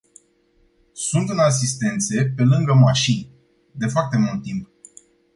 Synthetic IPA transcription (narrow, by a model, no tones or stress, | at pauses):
sunt̪ɨnas̬ist̪e̞nt̪se̞pe̞lɨŋɡəmaʃinʲ | d̪e̞foart̪e̞mult̪ːimp